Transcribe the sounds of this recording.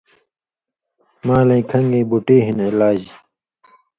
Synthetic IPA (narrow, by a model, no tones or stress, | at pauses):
maːlɐ̃ĩkʰɐŋɡẽːbuʈeːɦinilaːd͡ʑ